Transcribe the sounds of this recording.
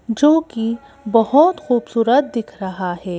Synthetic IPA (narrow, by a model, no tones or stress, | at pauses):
d͡ʒoːki | bɐɦʊt̪xuːbsuːɾət̪̚d̪ɪkʰɾɐɦahɛː